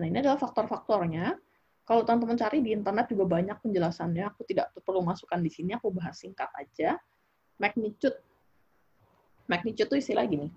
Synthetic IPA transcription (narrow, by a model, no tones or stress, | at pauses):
nainiadalahfak̚t̪ɔrfak̚t̪ɔrɲa | kalot̪ant̪əmənt͡ʃaɾidiːnt̪ərnɛt̪̚d͡ʒuɡabaɲak̚pəɲd͡ʒəlasanɲaːkut̪idaʔpərlumasukandisiniakubaɦasiŋkat̪ad͡ʒa | mak̚nit͡ʃʊt̪̚ | mak̚nit͡ʃʊt̪ːuist̪ilaɡinɪ